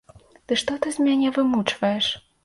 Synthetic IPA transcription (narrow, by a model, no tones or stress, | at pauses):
t̪ɨʂt̪ɔt̪ɨzʲmʲanʲɛvɨmut͡ʂvɐjɛʂ